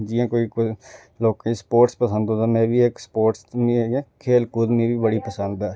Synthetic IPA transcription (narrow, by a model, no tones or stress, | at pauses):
d͡ʒiːãːkoːiːk | loːkãispoːʈspəsənd̪ɦõːd̪aːmɛ̃ːbiːekspoːʈsmĩːkʰeːlkuːd̪mĩːbiːbəɽiːpəsə̃nd̪ɛː